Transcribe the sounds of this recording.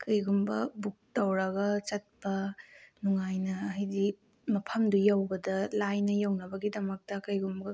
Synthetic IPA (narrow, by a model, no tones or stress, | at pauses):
kɐjɡumbɐbuk̚tɐwɾɐɡɐt͡ʃɐt̚pɐnuŋajnɐɦɐjdi | mɐpʰɐmdujawbɐdɐlajnɐjawnɐbɐɡidɐmɐk̚tɐkɐjɡumbɡɐ